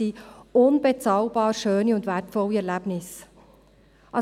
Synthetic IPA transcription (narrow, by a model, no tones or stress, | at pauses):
iʊnbɛt͡sɑːlbɑːɾʃøːniʊndʋæɾtfɔliɛɾlæb̥nɪs | ʔɑ